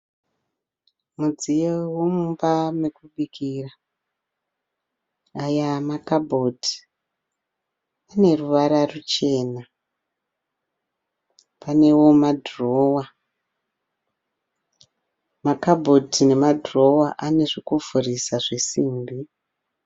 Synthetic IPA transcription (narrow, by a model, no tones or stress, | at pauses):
mud͡zijewomumbamekuɓikira | ajamakabʱodi̥ | ane̞ruʋaɾarut͡ʃe̞ːna | pane̞wo̞madʱro̞ːwa | makabʱo̞dine̞madʱro̞waʔane̞ʐikuvʱurisaʐesiːmbi